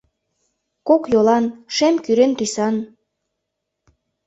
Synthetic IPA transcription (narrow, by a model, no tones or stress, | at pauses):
kokjolɑnʃemkyɾent̪ysɑn